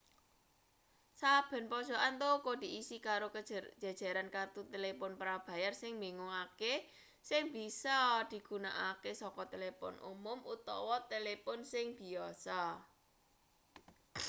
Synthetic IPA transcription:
sab̥ɛ̤npɔd̥ʒ̥ɔ̤ʔant̪okod̪̥i̤isikaɾokəd͡ʒ̥a̤d̥ʒ̥a̤ɾankart̪ut̪elepɔnpɾab̥ä̤jarsɪŋmbeŋuŋake | sɪŋb̥i̤sɔd̪̥i̤ɡ̥ṳna̰ʔakesɔkɔt̪elepʊ̰nṵmʊmʔut̪ɔ̰wɔt̪elepɔnsɪŋb̥i̤ɔsa

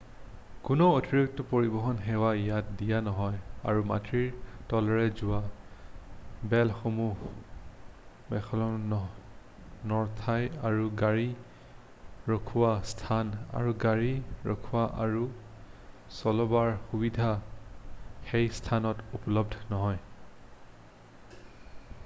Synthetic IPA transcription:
kʊnootiɹuk̚tɔpoɹibɔɦɔnɦɛwajat̚dijanɔɦɔja̰ɹuma̰tɹiɹtɔlɔɹɛzʊwa | bɛlxomuh | bɛxʰɔlɔɔ | nɔɹtʰajaɹuɡaɹi | ɹokʰuwastʰana̰ɹuɡaɹiɹo̰kʰuwaʔaɹu | sɔlɔbaɹxubidʱa | xejstʰanɔtupɔlɔbdʱnɔɦɔj

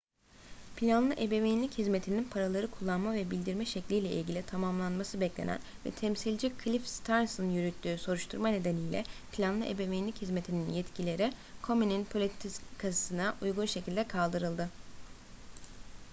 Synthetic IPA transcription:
pʰilʲanlˠɯʔebe̞mejinlʲichizme̞t̪ʰininpʰaɾalˠaɾɯkʰulˠːanmavɛbilʲd̪iɾmɛʃɛclʲijlʲɛʔḭlʲɟilʲit̪ʰamamlˠanmasɯbɛclʲḛnæ̰n | vɛ̰t̪ʰɛmsilʲd͡ʒikʰlʲifst̪ʰaɾnsnnjyɾyt̪ʰːyːso̞ɾuʃt̪ʰuɾmane̞d̪e̞nijlʲɛ̰pʰilʲanlˠɯʔebemejnlʲichizme̞t̪ʰininjɛt̪cʰilʲeɾɪkʰo̞mininpʰolʲit̪t̪ʰiskʰassɯnaʔujɡunʃe̞cʰilʲd̪ɛkʰalˠd̪ɯɾɯlˠd̪ɯ

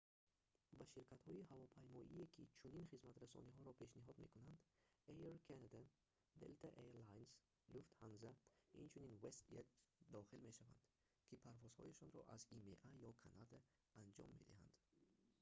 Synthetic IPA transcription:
baʃiɾkʰat̪hɔiɦavɔpʰajmɔʔiekʰit͡ʃʰuninχizmat̪ɾasɔ̰niɦɔɾɔpʰe̞ʃniɦɔd̪me̞̰kunand̪ejeɾkʰanad̪a | d̪ḛlt̪ʰaʔeɾlajns | luft̪hanzaḭnt͡ʃʰuninvest̪et̪sd̪ɔχilme̞ʃava̰nd̪̥ | kʰipʰaɾvɔz̥hɔ̰jaʃɔnɾɔ̰ʔa̰zimḛʔajɔkʰanad̪aː | nd͡ʒɔ̰mːe̞̰d̪iha̰nd̪

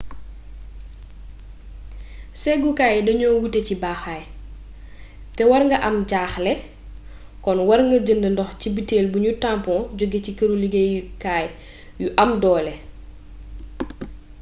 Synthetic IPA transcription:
sɛɡukaːjdɐɲɔːwutɛcibaːxaːj | tɛwɐɾŋɡɐʔɐmɟaːxlɛ | kɔnwɐɾŋɡɐɟəndəndɔxcibiteːlbuɲutampɔ̃ɟoɡːecikɐɾuliɡejkaːj | juʔɐmdɔːlɛ

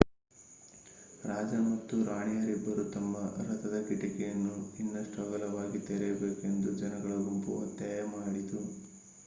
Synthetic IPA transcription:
ɾaːd͡ʒɐmɐt̪ːuɾaːɳijɐɾibːɐɾut̪ɐmːɐɾɐt̪ɐd̪ɐkiʈikɛjɐnːuinːɐʂʈɐɡɐlɐʋaːɡit̪ɛɾɛjɐbeːke̞nd̪ud͡ʒɐnɐɡɐɭɐɡumpuɐ̰t̪jaːjɐmaːɽid̪u

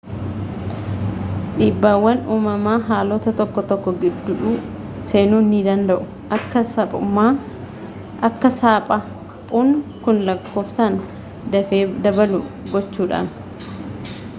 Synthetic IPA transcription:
ᶑiːbːaːwːɐnuːmɐmaːɦaːlot̪ɐt̪ɔkːɔt̪ɔkːɔɡɪd̪ːʊᶑuː | se̞ːnuːnːid̪ɐnd̪ɐʔʊ | ɐkːɐɐpʼʊmːaː | ɐkːɐsaːpʼɐ | pʼuːnkʊnlɐkːo̞ːfsaːn | d̪ɐfeːd̪ɐbɐlʊɡɔt͡ʃːuːᶑa̰ːn

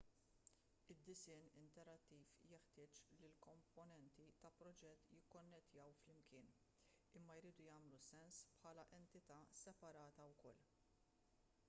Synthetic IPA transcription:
ɪd̪ːɪsɪːnɪnt̪ɛɾɐt̪ːiːfjɛħt̪ɪːt͡ʃlilkɔmpɔnɛnt̪it̪ɐpɾɔd͡ʒɛt̪ːjɪkːɔnːɛt̪jɐwflɪmkɪːn | ɪmːɐjɾiːd̪ujɐːmlusɛnspħɐːlɐʔɛnt̪ɪt̪ɐːsɛpɐɾɐːt̪ɐwkɔlː

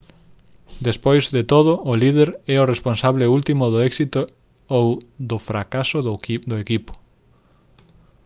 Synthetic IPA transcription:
d̪espojzðet̪oðʊʊlið̞eɾɛʊresponsaβleult̪imʊðoɛksit̪o | owd̪ʊfɾakasʊd̪ʊekipʊ̥

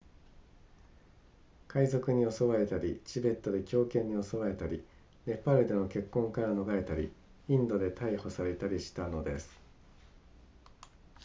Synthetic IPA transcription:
kaizokɯ̟ɲ̟io̞so̞βae̞t̪aɾʲit͡ɕibe̞t̪ːo̞d̪e̞kʲo̞ːkẽ̞ɲ̟ːio̞so̞βae̞t̪aɾʲi | ne̞pːaɾɯd̪e̞no̞ke̞kːõ̞ŋkaɾano̞ɡae̞t̪aɾʲḭ | ĩnd̪o̞d̪e̞t̪aiho̞saɾe̞t̪aɾʲiɕi̥t̪ano̞d̪e̞sɨ̥

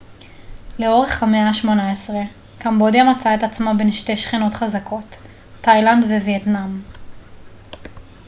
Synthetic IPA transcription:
le̞o̞ʁeχhameaʃmo̞naesʁe | kambo̞djamat͡saetat͡smabe̞nʃte̞jʃχino̞tχazakʰo̞tː | ajlandvevietnam

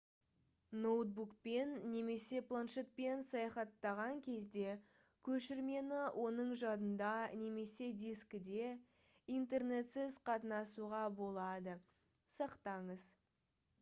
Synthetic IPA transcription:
nowt̪̚bukpe̞nːe̞me̞se̞plˠanʃe̞t̪̚pe̞nsɑjɑχɑt̪ːɑʁɑŋkʲʰe̞zd̪e̞ | kʲʰɵʃɪɾme̞nɪwʔo̞nəɴʒɑd̪ənd̪ɑne̞me̞se̞d̪iskʲɪd̪e̞ | int̪e̞rne̞t̪sɪzqʰɑt̪ənɑsuʁɑbo̞lˠɑd̪ə | sɑqt̪ɑɴəz

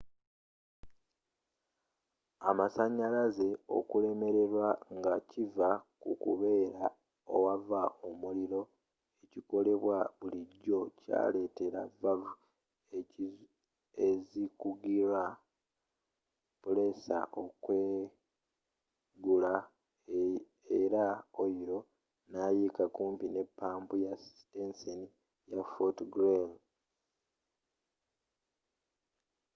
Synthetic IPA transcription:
amasaɲːalaze̞o̞̰kule̞me̞ɾe̞ɾwaŋɡacivakṵkṵβe̞ːɾa | o̰wavaomuliɾo̞ | e̞ciko̞le̞βwaβuliɟːo̞ca̰ːle̞ːte̞ɾa̰vːalu | ezikuɡiɾa | pole̞sa̰ʔo̞kwe | ɡula | eɾaoiɾo̞ | naːjikakuːmpine̞pːaːmbujasstenseni | jafotɡɾel

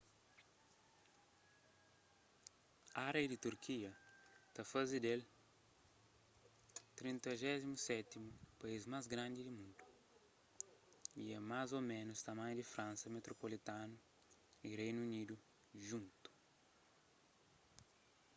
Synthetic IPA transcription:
aɾejd̪it̪uɾkʰiɐt̪ɐfazid̪el | t̪ɾĩnt̪ɐʒɛzimusɛt̪imupaizmazɡɾãnd̪id̪imũnd̪u̥ | iɛmazomẽnʊst̪ɐmãj̃d̪ifɾãnsɐmet̪ɾopolit̪ãnu | irejnunid̪u | ʒũnt̪u̥

